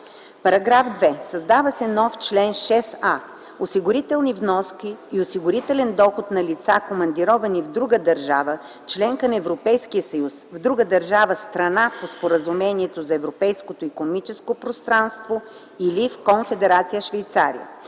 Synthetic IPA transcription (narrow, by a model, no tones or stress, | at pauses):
pɐɾɐɡɾafd̪vɛsɐzd̪avəsɛnɔft͡ʃlɛnʃɛsa | osiɡʊɾit̪ɛlˠnivnɔskʲiːosiɡʊɾit̪ɛlɛnd̪ɔxot̪nɐlit̪sakomɐnd̪iɾɔvɐnivd̪ɾuɡəd̪ɐɾʒavə | t͡ʃlɛŋkənɐɛvɾopɛjskijəsɐjusvd̪ɾuɡəd̪ɐɾʒavəst̪ɾɐnapospoɾəzumɛniɛt̪ozɐɛvɾopɛjskot̪oikonomit͡ʃɛskopɾost̪ɾanst̪vo | ilifkonfɛd̪ɛɾat̪sijəʃvɛjt̪sa̰ɾḭə̰